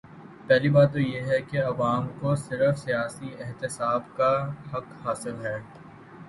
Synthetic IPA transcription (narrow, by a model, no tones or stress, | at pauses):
pɛɦlibaːɾt̪ːojeɦɛkeɐʋaːmkosɪɾəfsijaːsiɪɦt̪ɪsaːbkaɦɐkhaːsɪlɦɛː